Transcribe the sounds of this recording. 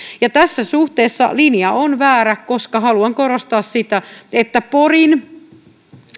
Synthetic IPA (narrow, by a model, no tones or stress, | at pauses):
jɑt̪æsːæsuht̪eːsːɑ̰linijɑonʋæːɾækkoskɑhɑluɑŋkoɾost̪ɑːssit̪æet̪ːæporin